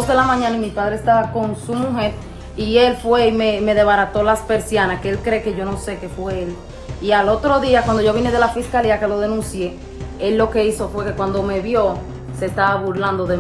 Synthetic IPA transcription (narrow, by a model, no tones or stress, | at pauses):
osðelamãɲãnaimipaðɾeest̪aβako̞ŋsumuɦe̞ɾ | ie̞lfwe̞imeme̞ðe̞βaɾat̪o̞laspe̞ɾsjanaskeelkɾe̞ke̞ʝo̞no̞se̞ke̞fweel | ialot̪ɾo̞ðiakwand̪oo̞βineðe̞lafiskaliakelo̞ð̞e̞nũnsje̞ | elːo̞ke̞iso̞fwe̞ke̞kwand̪o̞me̞βjo̞ | se̞st̪aβaβuɾland̪o̞ðe